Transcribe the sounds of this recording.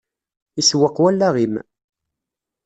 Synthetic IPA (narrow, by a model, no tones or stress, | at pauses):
iswəqːwælːæʁim